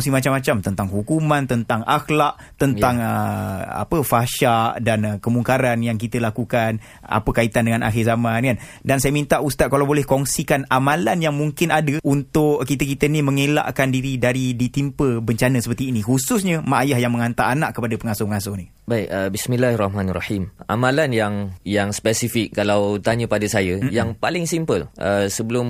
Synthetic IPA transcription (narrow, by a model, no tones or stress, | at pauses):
simat͡ʃamat͡ʃamt̪ənt̪aŋɦukumãnt̪ənt̪aŋaxlaʔ | t̪ənaŋəa̰pəfaʃaʔdanəkəmuŋkaɾanjaŋk̬it̪əlakukan | a̰pəkait̪andəŋanʔa̰xɪrzamankan | dansajəmint̪aʔust̪at̪̚kalawbolɛhkɔŋsikanamãlanjaŋmuŋkɪnadəunt̪ʊʔkit̪əkit̪əniməŋela̰ʔkandiɾidaɾidit̪impəbəɲt͡ʃanə̃səpərt̪iːnihususɲəmaʔajahjaŋməŋant̪aʔanaʔkːəpadəpəŋasʊpəŋasʊni | baikəbismilahrˤɑhmanrɑħimʔa̰mãlanjaŋjaŋspɛsifik̚ːalawt̪aɲəpadasajəjaŋpalɪŋsimpələsəbəlʊm